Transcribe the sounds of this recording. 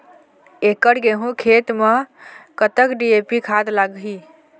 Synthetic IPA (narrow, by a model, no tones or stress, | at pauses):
ekəɽɡeɦũkʰet̪mekət̪əkɖiepikʰad̪laɡɦi